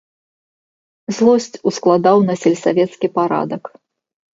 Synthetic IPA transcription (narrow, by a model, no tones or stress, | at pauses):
zlˠɔsʲt͡sʲusklˠad̪awnɐsʲɛlʲsavʲɛt̪skʲipaɾa̰d̪ɐk